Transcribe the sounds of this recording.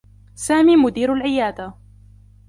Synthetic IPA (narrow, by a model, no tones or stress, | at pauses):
saːmiːmʊd̪iːɾalʕɪjaːd̪a